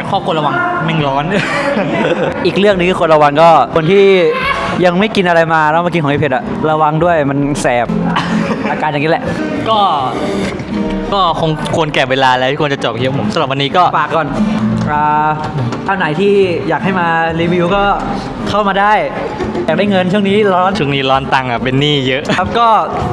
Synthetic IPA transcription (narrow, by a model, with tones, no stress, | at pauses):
kʰɔː˥˩kʰu˧nla˧wa˧ŋmɛ˥˩ŋlɔː˦˥n | ʔiː˨˩k̚lɯ˥˩ək̚nɯ˧ŋkʰɯː˥˩kʰo˧nlɾa˧wa˧nkɔː˥˩kʰo˧nt̪ʰiː˥˩ | ja˧ŋma˥˩jki˧nʔa˧ɾa˧jmaː˧lɛː˦˥wmaː˧˩ki˧kʰɔ˨˦ʔi˧pʰe˨˩t̪̚ʔa˨˩ | ɾa˧wa˧ŋdu˥˩əjma˧nsɛː˨˩p̚ʔaː˧kaː˧nja˨˩ŋi˦˥lɛ˧ʔ | kɔː˥˩ | kɔː˥˩kʰo˧ŋkʰu˧ənkɛː˨˩weː˧laː˧lɛ˦˥iː˥˩kʰnt͡ɕa˨˩t͡ɕɔː˨˩p̚kʰi˦˥˦pʰo˩˦msa˧˦ɾa˨˩p̚wa˧nːiː˦˥kɔː˥˩paː˨˩kːɔː˨˩nʔaː˨˩ | t͡ɕaː˧˩wna˩˦jt̪ʰiː˥˩jaː˨˩k̚ha˥˩jmaː˧ɾiː˧wiː˧wkɔː˥˩ | kʰa˥˩wmaː˧daː˥˩j | jaː˨˩k̚daː˥˩jŋɤ˧nt͡ɕʰu˥˩əŋniː˦˥lɔː˦˥˨t͡ɕʰu˥˩əŋniː˦˥lɔː˦˥nt̪a˧ŋa˨˩pe˧nːiː˥˩jɤ˦˥ʔa˦˥p̚kɔː˥˩